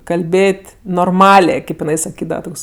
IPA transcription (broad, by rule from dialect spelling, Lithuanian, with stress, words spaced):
kɐlʲˈbʲeːtʲ noːrˈmɑːlʲeː ˈkɐɪp jɪˈnɐɪ sɐˈkʲiːdɐʋɐ ˈtoːks